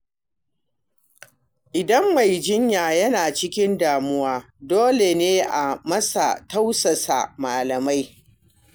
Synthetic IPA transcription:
ʔɪ˨dɐ˦mːa˨jd͡ʒɪ˦ɲjaː˨jɐ˦naː˨t͡ʃɪ˦kʲɪ˦ndaː˨mʊ˦waː˦ | doː˦le˨neː˦ʔa˨mɐ˦sa̰˨ta˦wsɐ˨sa̰˨maː˨lɐ˨ma˦j

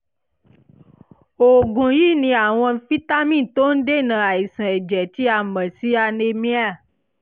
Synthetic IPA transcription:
o˨ɡũ˨ji˦nĩ˧a˨w̃ɔ̃˧˦fi˦t̪a˦mĩ˦˨t̪o˦n̩˦ɖe˦nã˨a˨ji˨sɛ̃˨e˨d͡ʒɛ˨t̪i˦a˨mɛ̃˨si˦a˨ne˨mĩ˦a˦˨

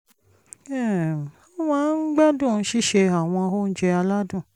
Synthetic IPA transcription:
ɛ˨a˨˦w̃ɔ̃˧˦ɡ͡ba˦dũ˦˨˦ʃi˦˨ʃe˧a˦˨w̃ɔ̃˧o˦˨n̩˦d͡ʒɛ˧a˧la˦dũ˦˨

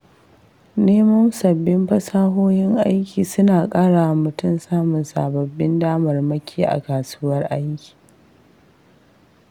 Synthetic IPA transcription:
neː˦mɐ˦nsɐ˨bːɪ˦mɸɐ˦saː˦ɦoː˦jɪ˦ŋʔa˦jkʲiː˨sʊ˦naː˨kʼaː˦ɽaː˨wmʊ˨tʊ˦˨msaː˦mʊ˨nsa̰ː˨bɐ˨bːɪ˦ndaː˦mɐ˨rmɐ˦kʲʰiː˦ʔa̰˨kaː˨suː˦wɐ˦rʔa˦jkʲi̥ː˨

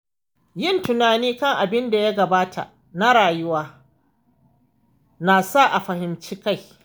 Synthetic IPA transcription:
jɪ˦˨ntʊ˨naː˨niː˦kɐ˦˨ŋʔa˨bɪ˦nda˨ja˦ɡɐ˨baː˦ta̰˨ʔ | na˦ɽaː˨jʊ˦waː˦ | naː˨sa˦˨ʔa˨ɸɐ˨hɪ˨mt͡ʃiː˦ka˦˨j

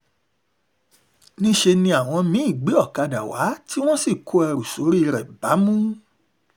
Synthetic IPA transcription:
nĩ˦ʃe˧nĩ˧a˨w̃ɔ̃˧mĩ˨˦i˦˨ɡ͡be˨˦ɔ˦˨ka˧da̰˨wa̰˨˦tʰi˦w̃ɔ̃˦si˦˨kʰo˨˦ɛ˧ɾu˨so˨˦ɾi˦i˧ɾɛ˨ba˨˦mũ˦

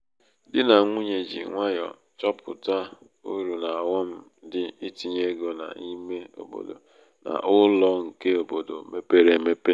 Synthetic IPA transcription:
dɪ˦na˨ŋʷu˦ɲe˨d͡ʒḭ˨ŋʷa˦jɔ̰˨ | t͡ʃɔ˦pʊ˨ta˦ | u˦ɾu˨na˨a˨wɔ˦m̩˦ | dɪ˦i˦ti˨ɲe˦ɡo˨na̰˨i˦me˦o̰˨bo̰˨do̰˨ | na̰˨ʔʊ˦lɔ˨ŋ̩˨ke˦o˨bo˨do˨me˦pe˦ɾe˨me˦pe˦

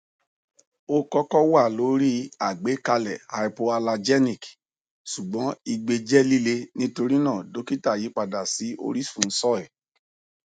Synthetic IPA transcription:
o˦kɔ˦kɔ˦wa˦˨lo˨˦ɾi˦a˨ɡ͡be˨˦ka˧lɛ˨ha˧i˧po˧a˧la˧d͡ʒɛ˦nĩ˦˨k | su˨ɡ͡bɔ̃˨˦i˧ɡ͡be˧d͡ʒɛ˦li˦le˧nĩ˦to˧ɾi˦nã˦˨do˨˦ki˦ta˦˨ji˨˦k͡pa˧da˨si˨˦ʔo̰˧ɾi˦fũ˦˨n̩˦sɔ˦ɛ˦˨

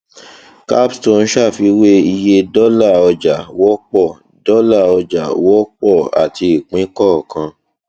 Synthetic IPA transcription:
ka˦bstõ˧n̩˦ʃa˦˨fi˧˦we˦i˧je˧dɔ˦la˦˨ɔ˧d͡ʒa˨wɔ˦k͡pɔ˦˨ | dɔ˦la˦˨ɔ˧d͡ʒa˨wɔ˦k͡pɔ˦˨a̰˨ti˧i˨k͡pĩ˨˦kɔ˦˨kã˧

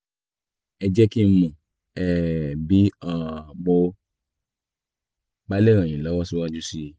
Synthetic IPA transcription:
ɛ˧d͡ʒɛ˦ki˦mũ˨ | ɛ˨bi˨˦ã˦˨ɡ͡bo˧ | ba˦le˦˨ɾã˨j̃ĩ˨lɔ˨˦wɔ˦si˦wa˦d͡ʒu˦si˧˨

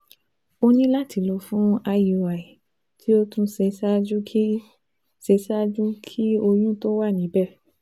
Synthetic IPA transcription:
o˧nĩ˦la˦ti˨˦lɔ˧˦fũ˦a˧ju˨a˨i˨ | tʰi˦o˦tũ˦se˧sa˦d͡ʒu˦ | se˧sa˦d͡ʒũ˦kʰi˦o˧jũ˦to˦wa˦˨nĩ˨˦bɛ˦˨

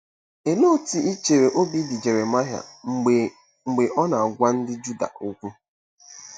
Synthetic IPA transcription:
e˨lo˦˨ti˨i˦t͡ʃe˨ɾe˨ʔo˦bi˦dɪ˨d͡ʒe˨ɾe˨ma˦ɦa̰˨ | ŋ͡m̩˨ɡ͡be˨ʔɔ˦na˨a˨ɡʷa˦n̩˦dɪ˦d͡ʒu˦da̰˨o˦kʷu˦

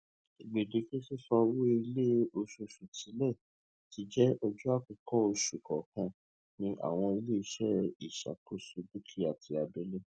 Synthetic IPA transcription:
i˨ɡ͡be˨de˨˧˦ki˦si˦sɔ˧wo˦i˧le˦o˧ʃu˧ʃu˨tĩ˨˦lɛ˦˨ | ti˧d͡ʒɛ˦ɔ˧d͡ʒu˦a˦˨kũ˧kɔ˦o˧ʃu˨kɔ˨kã˧ | nĩ˧ʔa̰˦˨w̃ɔ̃˧i˧le˦i˧˦ʃɛ˦i˦˨ʃa̰˨ko˦su˧bu˦kʰi˦a˦˨tʰi˧a˧be˦le˦

